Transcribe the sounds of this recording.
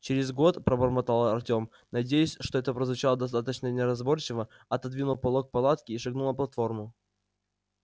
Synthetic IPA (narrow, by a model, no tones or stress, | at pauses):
t͡ɕɪɾʲɪzɡo̞t̪pɾəbərmɐt̪alˠəɐrtʲo̞m | nɐdʲejʊsʲʂt̪oɛt̪əpɾəzvʊt͡ɕalˠəd̪ɐst̪at̪ət͡ɕnənʲɪɾɐzbort͡ɕɪvə | ɐt̪ɐd̪vʲinʊlˠpɐlˠok̚pɐlˠat̪kʲɪːʂɨɡnulˠnəplˠɐt̪fo̞rmʊ